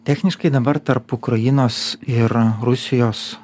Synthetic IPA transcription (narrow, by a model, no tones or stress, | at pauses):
t̪ʲæːxʲnʲɪʃkɐɪd̪ɐbɐɾt̪ɐɾpʊkɾɐjɪnoːsɪɾɾʊsʲɪjoːs